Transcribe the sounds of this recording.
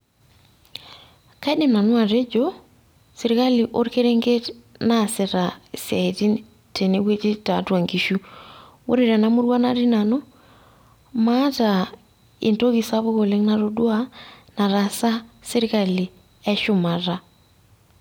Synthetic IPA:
ka˦i˦de˨mna˨nwa˨ɾe˦d͡ʒo | se˨ɾi˦ka˦li˨ʔo˦ɾke˦ɾe˦ŋɡe˦nase˨ɾasja˨i˨ti˦ | te˨ne˦βwe˦t͡ʃi˦ta˨twa˨ŋɡi˨ʃu˦wo̰˦ɾe˨ɾa˨na˦mu˦ɾwa˦na˦ɾi˦na˨no˦ | ma˦ta | e˨nto˦ɣi˨sa˦βo˦ɣo˨le˦ŋna˦ɾo˦dwa˦na˨ɾa˨sa˦se˦ɾika˨li˨ | ɛ˦ʃo˨ma˨ɾa˦

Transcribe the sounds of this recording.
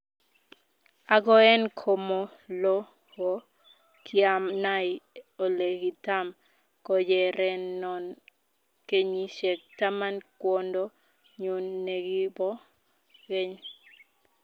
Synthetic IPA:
a˨ɡɔ˦ɛ˦nkʰo˨mɔ˨ | lɔ˦ | ɡɔ˦ | kʰɪa˨mna˦ɪ˨o˨le˨ɡi˨ta˦m | kɔ˦d͡ʒɛ˨ɾɛ˨nːɔ˨n | ke˦ɲi˦ʃɛ˨k̚ta˦ma˦nkwɔ˦ndɔ˦ | ɲo˨nːe˨ɡi˦bɔ˦ | ɡe˦ɲ

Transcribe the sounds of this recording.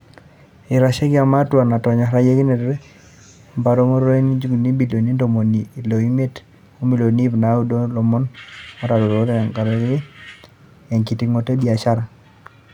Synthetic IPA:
i˨ɾa˨ʃe˦ki˦a˨ma˦twa˨na˨tɔ˨ɲa˨ɾa˦je˦ki˦ne˨dɾe˦ | mba˨ɾo˦mo˦ɾo˦e˦ni˦d͡ʒu˦ŋ˨ni˦bi˨lo˨ni˦ndo˨mo˨niː˨lo˨i˦me˦t | o˦mi˨lo˨ni˦bna˨˦u˦do˦lo˨mɔ˦na˨˦ɾa˨do˨ɾo˨˦te˨ŋka˨ɾe˦ki˦ | e˨ŋki˨ti˦ŋo˨te˦bi˨a˨ʃa˦ɾa˨

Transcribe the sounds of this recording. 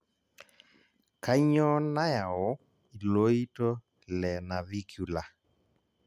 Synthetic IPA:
ka˦ɲɔ˦na˦ja˨ɔ˨˦ | i˨lo˦i˦tɔ˦ | lɛ˨na˨βi˦kju˨la˨

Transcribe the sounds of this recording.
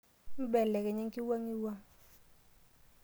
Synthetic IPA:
m̩˦bɛ˨lɛ˨kɛ˨ɲɛ˦ŋki˦wa˦ŋi˦wa˦

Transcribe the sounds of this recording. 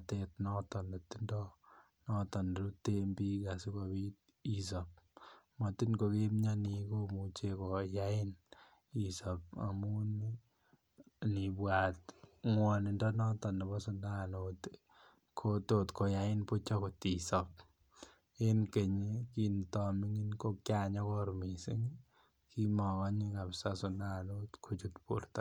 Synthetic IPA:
atetnɔ˦tɔ˨nɔ˨ti˦ndɔ | nɔ˦tɔ˨nɾu˦tembi˦ɡa˨su˦ko˨bit̚ | i˨s̬a˨p̚mɔ˨ti˦nko˧ke˦mɲa˦niko˦mu˨t͡ʃe˦ko˨jaɪ˦n | i˨sap̚a̰˨mu˦n | ni˨bwa˨tŋwɔni˨ndɔ˦nɔ˦tɔ˨nɔ˨bɔ˦sʊ˦nda˦not | kʰoto˦tko˨jaɪ˦npu˦t͡ʃɔ˦ko˨ti˨sɔp̚ | e˦nke˨ɲiki˦ntɔmi˦ŋi˦nko˦kjaɲɔ˦kɔ˦ɾmi˨si˦ŋ | ki˦mɔ˨kɔ˦ɲi˦ka˨psa˦sʊ˨nda˦˨no˦tkʰo˨t͡ʃu˦tpṵ˨ɾt̪a˨

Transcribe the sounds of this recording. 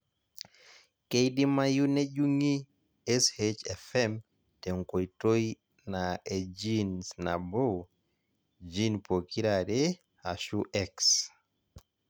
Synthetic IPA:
ke˦jdi˦ma˦ju˦ne˦d͡ʒu˦ŋi˦ | ɛ˦shet͡ʃɛfɛm | tɛ˨ŋko˨ito˦j | naed͡ʒinsna̰˨bo˦ | d͡ʒi˦npo˨ki˦ɾaɾɛ˦ | a̰˨ʃu˦ʔɛks

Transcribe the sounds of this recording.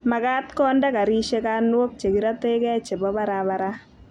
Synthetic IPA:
ma˨ka˦tkɔ˦nda˦ka˨ɾi˦ʃe˦kanwo˦k̚t͡ʃe˨kiɾa˦te˦kɛ˦t͡ʃe˨bɔ˦ba˦ɾaba˨ɾa˦

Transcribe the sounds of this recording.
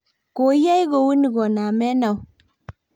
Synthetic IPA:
ko˨˦ja˦jɡo˨wi˦ni˨ɡɔ˨na˨mɛ˦na˨w

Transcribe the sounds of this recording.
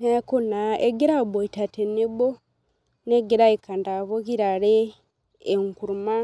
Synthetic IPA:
eku˦naeɡe˦ɾa˦bo˨i˨ta˨te˨ne˦bo˦ | ne˦ɡe˦ɾaika˨nda˨βo˦ki˦ɾaɾeː˦ | ŋku˨ɾuma˦

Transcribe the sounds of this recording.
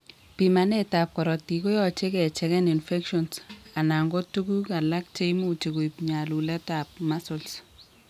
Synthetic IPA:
pima˨ne˦ta˨p̚kɔ˨ɾɔ˨ti˨ko˦jɔ˦t͡ʃe˦kɛ˨t͡ʃɛ˦kɛ˦ni˨nfɛ˦kʃɔ˨nsa˨na˨ŋɡo˦tu˦ku˦ka˨la˦k̚t͡ʃe˦jmu˦t͡ʃe˨ku˨ipɲa˨lu˨lɛ˦ta˨p̚ma˦sʊ˨ls

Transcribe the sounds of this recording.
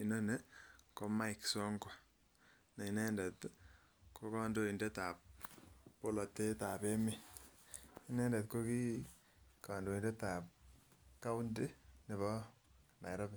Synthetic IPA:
i˨nɔ˦ne˦ko˦ma˦iksɔ˦ŋɡa˨ | na˨i˨nɛ˦ndɛ˨t̪ | ko˦kɔ˦ndo˦i˨nde˦ta˨p̚po˦lɔ˨te˦ta˨pe˦mi˦ | i˦nɛ˦ndɛ˨t̚ko˦ki˦ | ka˨ndo˨i˨nde˦ta˨p̚ | ka˦u˦nde˦ne˨βɔ˦na̰˨jɾɔ˦bɪ˦

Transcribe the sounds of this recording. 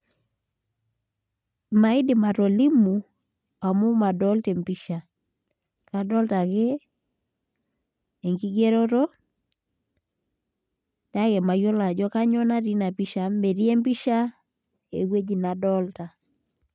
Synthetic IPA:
ma˨i˦dɪ˨ma˨ɾo˨li˦mu˨ | a˨mu˦ma˨dɔ˦lte˨mpi˦ʃa˨ | ka˨dɔ˦lta˨ke˦˨ | ŋɡi˦ɡe˦ɾo˦ɾo˦ | da˦kɛ˨ma˨jo˦la˨d͡ʒɔ˦ka˦ɲɔ˦na˦ɾi˦na˨pi˦ʃa˨me˨ɾi˦e˦mpi˦ʃa˦ | ḛ˨ɡwe˦d͡ʒi˦˨na˨dɔ˦lta˨

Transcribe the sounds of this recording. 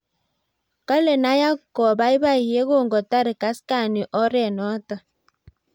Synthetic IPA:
ka˦le˨na˦ja˦kɔ˨ba˦i˦βa˦˨hi˨e˦ɣo˦˨ŋɡɔ˨ta˦ɾi˨ka˨˦ska˦˨ni˨ʔɔ˦ɾɛ˦˨nɔ˦ta˨

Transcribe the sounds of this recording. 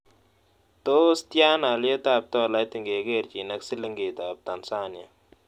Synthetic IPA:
t̪o˦st̪jaː˦na˨le˦t̪a˦p̚t̪ɔ˦˨la˦jt̪i˨ŋɡe˨ɡe˦˨ɾt͡ʃi˨nɐ˦ksi˦lɪ˦ŋɡe˨t̪a˨b̚t̪a˨nsaː˦nja̰˨

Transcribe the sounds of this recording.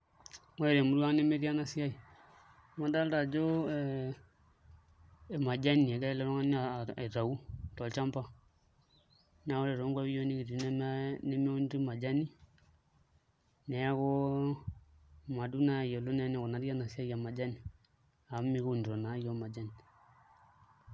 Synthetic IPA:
mɔ˦ɛ˨ɾe˨mu˦la˦ne˦me˦ɾi˦a˦na˨si˦a˦i˨˦ | ma˦da˦lda˨d͡ʒo˦˨ | ma˨d͡ʒa˦ni˨ɛ˨ɡa˦lɛ˦ɾɔ˦ŋa˦n˦a˨e˨ɾa˨wu˦tɔ˨lt͡ʃa˦mpa˦ | na˦o˦le˨ɾo˦ŋɡʷa˦i˦jo˦ni˦ɡi˨ɾnɛ˦m˦ne˦mi˦u˦nɾi˦ma˨d͡ʒa˦ni˦ | nɛ˨˦a˦ko˦ | ma˨du˦na˦˨jo˨lu˦nɛ˦nɛ˦ko˨na˨˦ɾi˦a˦na˨si˦a˦ja˨ma˨d͡ʒa˦ni˨ | a˨˦mi˦ku˨ndɾo˨na˨˦jo˦ma˨d͡ʒa˦ni˨

